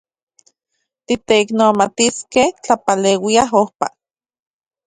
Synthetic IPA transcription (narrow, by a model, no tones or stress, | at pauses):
t̪it̪eiknomat̪iskeht͡ɬapaleːwiaɦohpa̰